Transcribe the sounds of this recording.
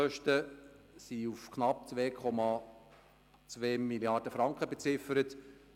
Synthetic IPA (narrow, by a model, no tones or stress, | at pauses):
œʃtəsiufkʰnɑp̚t͡svʋeːkʰɔmɑ | t͡sʋeːmiljɑɾd̥əfɾɑŋkχəbet͡sɪfəɾət